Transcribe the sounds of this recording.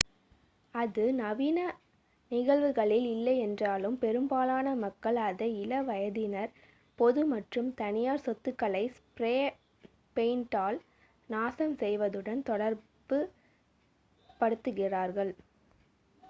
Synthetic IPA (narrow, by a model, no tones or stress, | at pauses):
ɐðɯnɐʋinɐ | nɪɣɐɭʋɯɣɐɭɪlɪlːɐɪɛndraːlɯmpɛɾɯmbaːlaːnɐmɐkːɐɭɐðɐɪlɐʋɐjɐðɪnɐɾ | pɔðɯmɐʈrɯmt̪ɐnɪjaːɾsɔt̪ːɯkːɐlɐɪspɾeː | peɪnʈaːl | naːsɐmsɛjʋɐðɯɽɐnt̪ɔɽɐɾ | bɯ | pɐɽɯt̪ːɯɣɪraːɾɣɐɭ